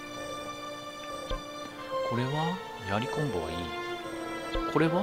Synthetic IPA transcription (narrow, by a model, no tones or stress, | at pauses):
ko̞ɾe̞βa | jaɾʲikõ̞mboa̰iː | kʰo̞ɾe̞βa